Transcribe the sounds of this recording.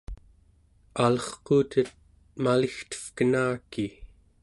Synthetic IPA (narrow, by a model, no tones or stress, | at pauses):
alʌχquːt̪ət̪̚ | malixt̪ə̥fkənaːki